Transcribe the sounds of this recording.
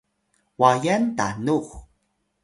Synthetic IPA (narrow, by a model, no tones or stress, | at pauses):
wajanta̰nux